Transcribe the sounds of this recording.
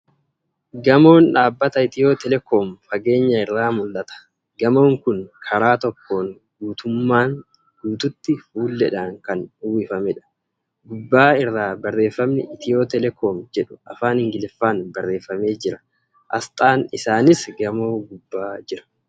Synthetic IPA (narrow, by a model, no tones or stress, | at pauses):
ɡɐmo̞ːnᶑaːbːɐt̪ɐɪt̪ɪjo̞ːt̪ɛlɛkoːmfɐɡe̞ːɲːɐɪrːaːmʊlːɐt̪ɐ̥ | ɡɐmo̞ːŋkʊnkʰɐɾaːt̪ɔkʰːo̞ːŋ | ɡuːt̪ʊmːaːn | duːt̪ʊt̪ːɪfuːlːɛᶑaːŋkɐnʊwiːfɐmɛᶑɐ̥ | ɡʊbːaːɪrːaːbɐrːe̞ːfːɐmnɪ̰ɪt̪ʰɪjo̞ːt̪ɛlɛkʰoːmd͡ʒɛᶑʊ̥ɐfaːnhɪŋɡɪlɪfːaːnbɐrːe̞ːfːɐme̞ːd͡ʒɪɾɐ̥ | ʔɐ̰st̪ʼaːnɪsaːnɪsɡɐmo̞ːɡʊbːaːd͡ʒɪɾɐ̥